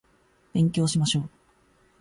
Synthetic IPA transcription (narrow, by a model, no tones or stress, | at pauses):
b̥ẽ̞ŋkʲo̞ːɕimaɕo̞ː